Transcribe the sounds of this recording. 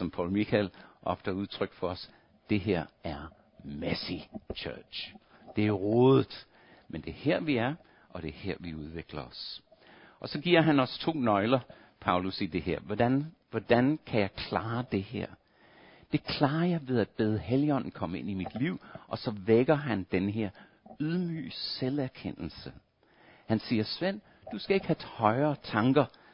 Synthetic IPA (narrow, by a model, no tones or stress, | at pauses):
sɒ̽mpʰɑ̈ʊlmikʰælʔɒfd̥əuð̞ˠt͡sʰʁœɡ̥fɒ̽ɒs | d̥e̝ɦeɐ̰æɐ | mæsit͡ɕʰœ̥ːɕd̥e̝æɐʁɔːðˠð̩ˠ | mend̥e̝ɐheɐ̰ʋiæɐ | ʔɒ̽d̥e̝heɐ̰ʋiuð̞ˠʋe̝ɡ̥lɐɒs | ʔɒ̽sɒ̽ɡ̥iɐ̰ɦænɒ̽st͡sʰo̝̰ːnɒ̽ɪlɐ | pʰɑ̈ʊlusid̥e̝heɐ̰̥nʋɒd̥ænkʰæjɑ̈ɪkʰlɑːd̥e̝heɐ̰ | d̥e̝kʰlɑ̈ːɐjɑ̈ɪʋe̝ð̞ˠæd̥̚b̥eːð̞ˠəheljɒ̽n̰n̩kʰɒ̽məe̝n̰imid̥liʊ̰ʔɒ̽sɒ̽ʋeɡ̥ɐɦænd̥enəɦe̝ɐ̰ | yðˠmy̰ːselæɐkʰen̰l̩sə | hænsiːɐsʋen̰ | d̥usɡ̥æe̝ɡ̥hæhɒ̽ɪɐːt͡sʰɑ̈ŋɡ̥ɐ